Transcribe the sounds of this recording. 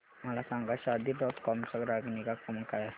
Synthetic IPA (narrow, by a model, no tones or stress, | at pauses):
malasaŋɡaʃad̪idɔt̪̚kɔmsəɡɾaɡiniɡakɔmakaja